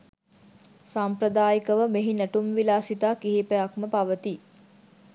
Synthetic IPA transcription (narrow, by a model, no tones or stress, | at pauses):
sampɾəd̪aːjikəʋəmeɦinæʈumʋilaːsit̪aːkiɦipəjakməpaʋət̪i